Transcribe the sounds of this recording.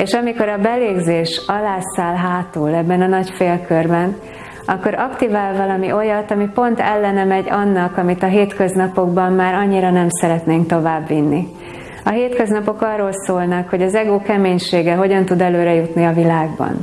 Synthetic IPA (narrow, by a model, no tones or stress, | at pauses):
eːʃɒmiko̞ɾɒbɛleːɡzeːʃɒlaːsaːlɦaːt̪uːlɛbːɛnɒnɒcfeːlkørbɛn | ɒkːo̞ɾʔɒkt̪ivaːlvɒlɒmiʔo̞jɒt̪ɒmipo̞nt̪ɛlːɛnɛmɛɟɒnːɒkɒmit̪ɒɦeːt̪køznɒpo̞ɡbɒmmaːɾɒɲːiɾɒnɛmsɛɾɛt̪neːŋkt̪o̞vaːbːinːi | ɒɦeːt̪køznɒpo̞kɒrːoːlsoːlnɒkho̞ɟɒzɛɡoːkɛmeːɲʃeːɡɛɦo̞ɟɒnt̪ud̪ɛløːɾɛjut̪niɒvilaːɡbɒ̰n